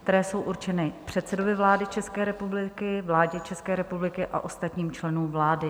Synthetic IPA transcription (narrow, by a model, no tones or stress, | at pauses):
kt̪ɛɾɛːso̞wʔuɾt͡ʃɛnɪpr̝̥ɛt̪sɛdo̞vɪvlaːdɪt͡ʃɛskɛːɾɛpublɪkɪvlaːɟɛt͡ʃɛskɛːɾɛpublɪkɪʔa̰ʔo̞st̪at̪ɲiːmt͡ʃlɛnuːmvlaːdɪ